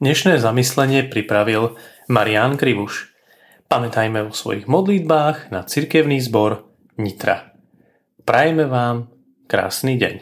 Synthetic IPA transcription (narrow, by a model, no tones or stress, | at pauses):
ɲɛʃnɛːzamislɛɲɪɛpɾipɾaʋil | maɾiankɾiʋuʃ | pamɛt̪ajmɛvɔsʋɔ̰jiɣmɔd̪lid̪̚baːɣnat͡siɾkɛʊniːzbɔɾ | ɲit̪ɾa̰ | pɾajɛmɛʋaːm | kɾa̰ːsniːɟɛ̰ɲ